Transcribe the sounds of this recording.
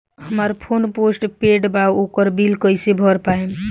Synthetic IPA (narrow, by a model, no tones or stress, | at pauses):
ɦəməɾpʰonposʈpeɖbaokəɾbilkəjsebʱɔɾpaen